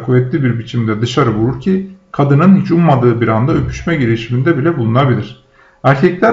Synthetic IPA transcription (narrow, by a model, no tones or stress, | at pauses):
kʰuvɛt̪lʲibiɾbit͡ʃʰimd̪ɛd̪ɯʃaɾɯvuɾuɾcʰikʰad̪ɯnɯnhit͡ʃummad̪ɯːbiɾand̪aø̞pʰy̥ʃmɛɟiɾiʃimind̪ɛbilʲɛbulˠunabilʲiɾ̝̥ | æɾcʰɛclʲæ